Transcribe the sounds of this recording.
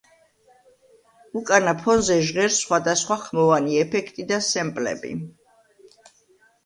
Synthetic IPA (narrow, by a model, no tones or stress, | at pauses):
ukʼanapʰɔnzɛʒʁɛɾsχwad̪asχwaχmɔvaniɛpʰɛkʰt̪ʼid̪asɛmpʼlɛ̰bḭ